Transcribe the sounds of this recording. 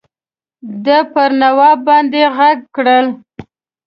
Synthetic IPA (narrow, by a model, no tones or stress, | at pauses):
d̪əpəɾnawɑbɑnd̪eɣaɡ̚kɽəl